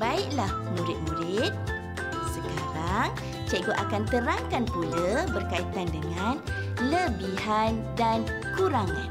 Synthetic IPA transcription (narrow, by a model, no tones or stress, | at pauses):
baiʔlah | nũɾɪt̪̚nũɾɪt̪̚ | səkaɾaŋ | t͡ʃaɡoʔakant̪əɾaŋkanpuləbərkait̪andəŋãn | ləbiɦandan | kuɾaŋã̰n